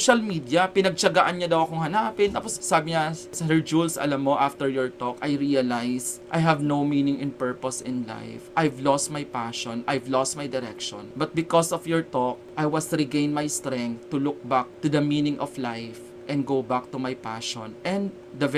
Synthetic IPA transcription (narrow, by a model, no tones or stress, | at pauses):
ʃɐlmid̪jɐpɪnɐɡ̚t͡ʃɐɡaʔɐnɲɐd̪ɐwɐkoŋhɐnaːpɪnt̪apossaːbɪɲasɐhɛɹd͡ʒulsɐ̰lamːoʔaft̪ɛɹjɔɹt̪ɔkajɾiɐlajsʔajɦɐvnowminɪŋʔɪ̃npɛɹpɔsɪ̃nla̰jfʔajvlɔst̪̚majpaʃɔnʔajvlɔst̪̚majd̪ɛɾɛ̰kʃɔ̰̃nbɐt̪̚bɪkɔsɔfjɔɹt̪ɔk̚ʔajwɐsɹɪɡẽjnmajst̪ɾɛ̃ŋk̚t̪ːʊlʊk̚bak̚t̪ʊd̪ɐminɪŋʔɔflajf | ʔɛ̃nd̪̚ɡowbak̚t̪umajpa̰ʃɔ̃nʔɛ̃nd̪ | d̪ɐv